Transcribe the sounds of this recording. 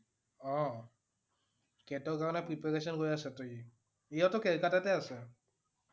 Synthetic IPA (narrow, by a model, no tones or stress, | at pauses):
ɔ̃ | kɛtɔɹkaɹɔnɛpɹipɛɹesɔnɡojasɛtoɹi | ejɔtɔkɛɹkatatɛasɛ